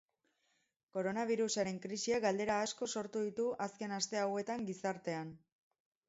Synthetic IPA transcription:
ko̞ɾo̞naβ̞iɾusaɾe̞ŋkɾisiaɡald̪e̞ɾaːsko̞so̞ɾt̪uðit̪uʔaske̞nast̪e̞awe̞t̪aŋɡisaɾt̪e̞an

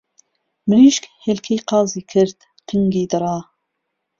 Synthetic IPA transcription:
mɨɾiːʃkhelkʰeːjqɑːziːkʰɨɾt̪ | qʰŋɡiːd̪ɨɾɑː

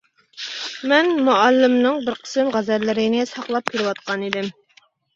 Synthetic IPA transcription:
mɛnmuɛlːɪmnɨŋbɪɾqʰə̥sɪmʁæzɛɾlɪɾɪnɪsɑqlˠɑp̚kʲʰiɾɪwɑt̪̚qɑnid̪ɪm

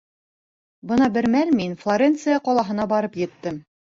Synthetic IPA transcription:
bɤnɑbɘ̆ɾmælminflˠoɾʲent̪sɨjɑqɒlˠɑɦɤ̆n̪ɑbɑɾɤpjɘ̆t̪ːɘm

